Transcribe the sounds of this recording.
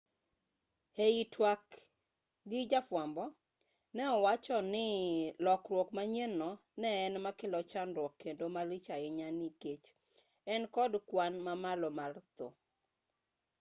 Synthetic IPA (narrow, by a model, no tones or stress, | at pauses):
heitʰwak | ɡɪd͡ʒafwambɔ | nɛɔwat͡ʃɔnɪlɔkrwɔkmaɲenːɔ | nɛːnmakɪlɔt͡ʃanɾwɔkʰːendomalɪt͡ʃaɪɲaniket͡ʃ | ɛnkɔdkwanmamalɔmart̪o̰